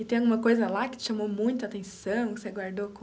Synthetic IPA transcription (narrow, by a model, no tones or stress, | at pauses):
ɪt̪ẽj̃aɡũmɐkojzɐlakɪ̥t͡ʃɪ̥ʃamomũj̃t̪ʊat̪ẽsɐ̃w̃kɪ̥seɡwaɾd̪okõ